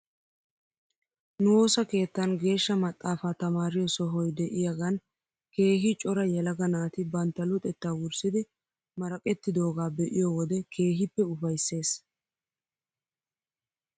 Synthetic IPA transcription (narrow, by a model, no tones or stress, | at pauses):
nʊwo̞ːsɐke̞ːt̪ːɐnɡe̞ːʃːɐmɐt̪ʼːaːfaːt̪ɐmaːɾɪjɔsɔɦɔjd̪ɛʔɪjaɡɐn | ke̞ːhɪt͡ʃʼɔɾɐjɛlɐɡɐnaːt̪ɪbɐnt̪ːɐlʊt̪ʼɛt̪ːaːwʊɾsɪd̪ɪ | mɐɾɐkʼɛt̪ːɪd̪o̞ːɡaːbɛʔɪjɔwɔd̪ɛkʰe̞ːɦɪpːɛʊfɐjsːe̞ːs